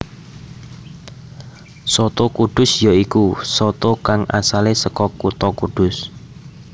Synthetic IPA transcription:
sɔt̪okuɖ̪̥ʊ̤sjaikusɔt̪okaŋa̰salesəkɔkut̪ɔkud̪̥ʊs

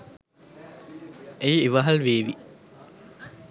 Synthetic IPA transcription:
ejeʋɐɦɐlʋeːʋi

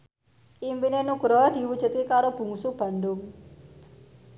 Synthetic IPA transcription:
ʔimpinenuɡɾɔd̪̥i̤wud̥d͡ʒ̥ṳt̪̚kikaɾob̥ṳŋsub̥a̤ɳɖʊŋ

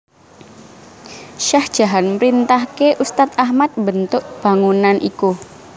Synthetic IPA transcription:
ʃahd̥ʒ̥a̤ɦanmɾint̪ahkeʔust̪at̪̚ahmat̪̚bənt̪ʊʔ̚b̥a̤ŋunanʔḭku

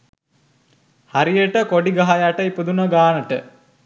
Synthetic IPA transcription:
haɾijəʈəkoɖiɡaɦajaʈəipəd̪unəɡaːnəʈə

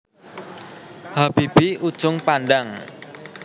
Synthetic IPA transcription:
hab̥ib̥iud̥ʒ̥ʊŋpanɖaŋ

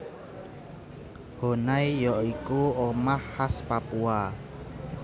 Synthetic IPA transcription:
honajjɔʔikuomahːaspapua

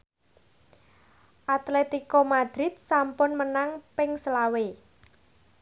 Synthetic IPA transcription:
ʔat̪let̪ikomad̪̥ɾɪt̪̚sampʊnmənaŋpɪŋsəlawe

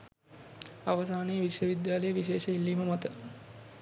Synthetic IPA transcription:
aʋəsaːnejːʋiʃjəʋid̪jaːləjəʋiʃeːʃəilːiːməmat̪ə

